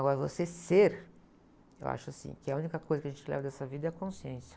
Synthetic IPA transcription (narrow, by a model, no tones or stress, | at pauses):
aɡɔɾɐvoseseɾ | ewʔa̰ʃʊasḭ̃kɪɛɐũnikɐkojzɐkɪɐʒẽt͡ʃɪlɛ̰vɐd̪ɛsɐvid̪ɐɛkõsiẽsjɐ̥